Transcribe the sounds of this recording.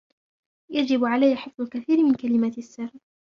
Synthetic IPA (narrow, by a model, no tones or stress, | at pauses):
jad͡ʒɪbʕalajːaħɨfðˤʊlkaθiːɾɪmɪnkalɪmaːt̪sːar